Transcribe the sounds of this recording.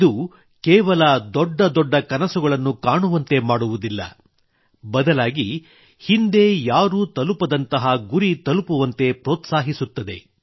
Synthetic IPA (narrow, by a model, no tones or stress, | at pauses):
id̪u | kɛːʋɐlɐd̪ɔɖːɐd̪ɔɖːɐkɐnɐsuɡɐɭɐnːukaːɳuʋɐnt̪e̞maːɽuʋud̪ilːɐ̰ | bɐd̪ɐlaːɡi | hind̪e̞jaːɾuːt̪ɐlupɐd̪ɐnt̪ɐɦɐɡuɾit̪ɐlupuʋɐnt̪e̞pɾɔːt̪saːɦisut̪ːɐd̪e̞̰